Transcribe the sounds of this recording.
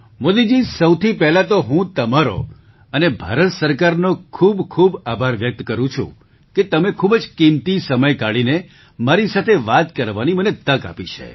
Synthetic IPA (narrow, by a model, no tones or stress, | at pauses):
mod̪id͡ʒisəwt̪ʰipɛɦlat̪oɦũt̪əmaɾo̰ | ənebʱa̰ɾət̪səɾkaɾnokʰubkʰubabʱaɾʋjək̚t̪kəɾũt͡ʃʰṵ̃ | ket̪əmekʰubd͡ʒkimt̪isəməjkaɭine | maɾisat̪ʰeʋat̪kəɾʋanimənet̪əka̰pit͡ʃʰḛ